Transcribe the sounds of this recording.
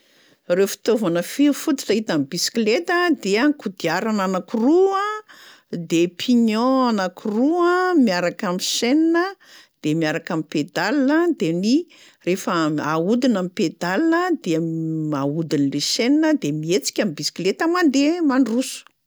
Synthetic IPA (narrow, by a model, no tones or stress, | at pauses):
refi̥t̪ovanəfiufut̪i̥ʈ͡ʂaɦit̪amibisi̥kilet̪əd̪eaŋkud̪iaɾananakuruə | d̪epʰiɲɔ̃anakuruəmiaɾakamiʃeninəd̪̥emiaɾakamiped̪alinəd̪eni | refəaud̪inamiped̪alinəd̪eaud̪inleʃeninəd̪emiet͡si̥kʲamibisi̥klet̪amand̪emanrusu̥